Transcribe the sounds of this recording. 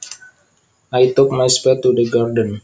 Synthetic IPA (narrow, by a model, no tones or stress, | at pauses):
ʔajt̪ʊk̚majspɛt̪ːudəɡardən